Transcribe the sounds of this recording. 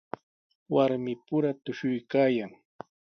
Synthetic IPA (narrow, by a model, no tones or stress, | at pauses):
waɾmɪpʊɾat̪ʊʃʊjkaːjaŋ